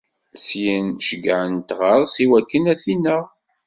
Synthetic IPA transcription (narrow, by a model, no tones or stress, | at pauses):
sjənʃəɡʕənt̪ʁəɾˤsiwækːənæθinːəʁ